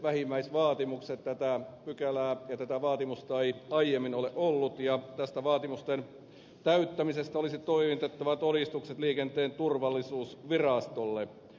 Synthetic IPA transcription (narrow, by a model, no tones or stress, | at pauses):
ʋæhimːæisʋɑːt̪imukset̪t̪æt̪æpykælæːjɑt̪æt̪æʋɑːt̪imust̪ɑeiɑijemːinoleʔolːut̪jɑt̪æst̪æʋɑːt̪imust̪en | t̪æyt̪ːæmisest̪æolisit̪oiʋit̪et̪ːɑʋɑt̪oɾist̪ukset̪liːkent̪eːnt̪urʋɑlːisuːsʋirɑst̪olːe